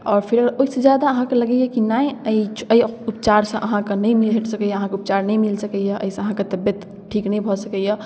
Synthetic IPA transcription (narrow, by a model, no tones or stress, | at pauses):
ɔːɾpʰiɾəɡɾoised͡ʒjad̪aəɦãkeləɡɛjɛkinajəit͡ʃʰəupt͡ʃaɾsə̃ʔəɦãkenəjmiɦeʈʰsəkəjɛəɦãkeupt͡ʃaɾnəjmilsəkəjɛʔə̰isə̃əɦãket̪əbjət̪ | ʈʰiknəjbʱɔsəkəjɛ